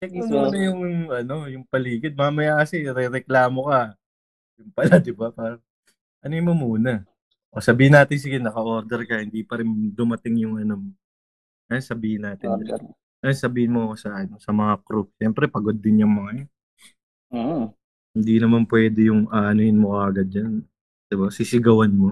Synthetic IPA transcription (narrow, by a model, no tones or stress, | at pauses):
jɐɡ̚nɐuːnɐjʊŋʔɐno̞jʊŋpɐliːkɪd̪̚mɐamɐjakɐsɪɾɛɾɛklaːmo̞kɐ | jʊŋpɐlad̪ɪbapaːɾɐŋ | ʔɐnomomuːnɐ | ʔosɐbiːhɪnaːt̪ɪns̬ɪɡɛnɐkɐʔo̞ɾd̪ɛɾkɐhɪnd̪ipɐɾɪnd̪ʊmɐt̪ɪŋjʊŋɐnom | ʔɐjonsɐbiːhɪnːaːt̪ɪn | ɐjonsɐbiːhɪnmoɐko̞sɐnosɐmɐŋakɾuk̚ʃɛmpɾɛpɐɡod̪ːɪnjʊŋmɐŋaj | o | hɪnd̪inɐmanpwɛːd̪ɛjʊŋʔaʔɐnohɪnmokɐʔɐɡad̪̚d͡ʒɐn | d̪̥ɪbasɪsɪɡɐwanmo